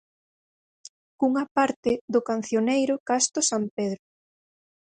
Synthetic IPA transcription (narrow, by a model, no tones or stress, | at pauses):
kuŋapaɾt̪ɪðʊkan̟θjonejɾʊkast̪ʊsampeð̞ɾʊ